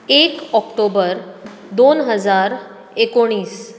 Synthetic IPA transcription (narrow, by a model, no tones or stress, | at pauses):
ekɔkʈobəɾ | d̪onɦəd͡zaɾ | ekoɽ̃iːs